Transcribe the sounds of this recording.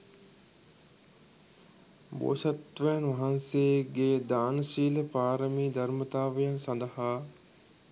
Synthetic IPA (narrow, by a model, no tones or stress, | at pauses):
bo̰ːsat̪ʋejanʋɐɦanseɡeːd̪aːnəsiːləpaːɾəmiːd̪ɐɾmət̪aːʋəjansand̪ɐhaː